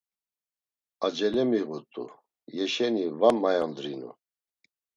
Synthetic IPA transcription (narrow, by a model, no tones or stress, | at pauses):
ad͡ʒɛlɛmiɣut̪ʼṵ | jɛʃɛnivamːajand̪ɾinṵ